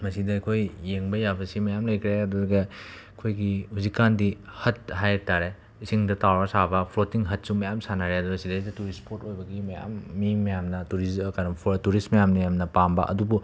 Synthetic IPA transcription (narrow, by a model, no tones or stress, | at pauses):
mɐsidɐkʰojːeŋbɐjabɐsimɐjamlɐjkʰɾeɐdudɐɡɐ | kʰojɡihuzikːandihɐt̚ɦajtaɾe | isiŋdɐtawɾɐsabɐpʰɾotiŋɦɐt̚sumɐjamsanaɾeɐduɾɐsidesidɐtuɾispʰoɾtojbɐɡimɐja̰mːimɐjamnɐtuɾiskaɾɐmpʰuɾɐtuɾistmɐjamnɐjamnɐpambɐ̰ʔɐ̰dubu